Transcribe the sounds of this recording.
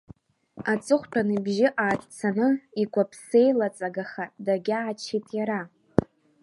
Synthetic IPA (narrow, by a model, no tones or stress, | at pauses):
at͡sʼɨχʷtʰanɨbʒɪʔaːtʼt͡sʰanɨiɡʷapʰse̞jlat͡sʼaɡaχadaɡʲaːt͡ʃʰejtʼjaɾa